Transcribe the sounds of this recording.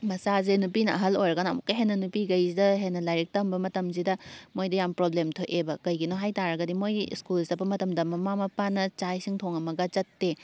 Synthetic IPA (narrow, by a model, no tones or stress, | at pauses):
mɐsazenupinɐɐɦɐlojɾɐɡɐnɐmukːɐɦenːɐnupiɡɐjzidɐɦenːɐlajɾik̚tɐmbɐmɐtɐms̬idɐmojdɐjampɾoblemtʰoʔebɐkɐjɡinoɦajtaɾɐɡɐdimojskulsɐpːɐmɐtɐmdɐmɐmamɐpanɐt͡ʃajsiŋtʰoŋɐmɐɡɐt͡ʃɐtːe